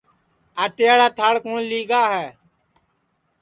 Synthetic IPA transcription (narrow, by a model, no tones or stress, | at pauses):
aːʈejaːɽaːt̪ʰaːɽkũːnliːɡaːɦɛː